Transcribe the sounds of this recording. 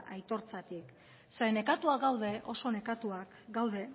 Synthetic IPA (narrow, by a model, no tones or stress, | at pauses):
ʔajt̪o̞ɾt͡sat̪ik | seɾene̞kat̪uaɡawðe̞ʔo̞so̞ne̞kat̪uak | ɡawðe̞